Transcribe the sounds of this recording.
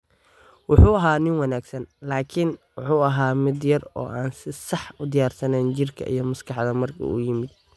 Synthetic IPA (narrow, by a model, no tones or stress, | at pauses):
wʊħuːɐɦaːnɪnwɑnaːɡsɐnlaːkʰɪnwʊħuːɐɦaːmɪd̪jɐrɔ̰ːʔaːnsɪsɑħʊd̪ɪjaːrsɐnɛːnt͡ʃɪrkʰɐ̰ʔḭjɞmɐskʰɑħd̪ɐmɐrkʰɐ̰ṵːjɪmɪd̪̚